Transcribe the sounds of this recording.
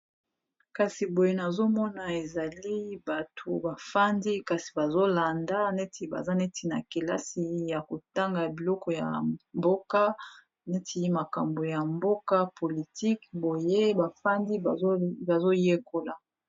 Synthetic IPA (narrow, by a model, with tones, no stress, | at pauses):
ka˨si˨bo˨je˦na˨zo˦mɔ˦na˨e˨za˨li˦ba˨tʰo˨ba˨fa˦ndi˦ka˨si̥˨ba˨zo˦la˨nda˦ne˦tʰi˨ba̰˨za˦ne˦tʰi˨na̰˨ke˨la˦si˨ja˨ko˨ta˦ŋɡa˨bi˨lɔ˦kɔ˨ja̰˨mbo˦ka˦ | ne˦ti˦ma˨ka˨mbo˨ja˨mbo˦ka˦pʰo˨li˨ti˦kbo˨je˦ba˨fa˦ndi˦˨˦ba˨zo˦je˦ko˨la˨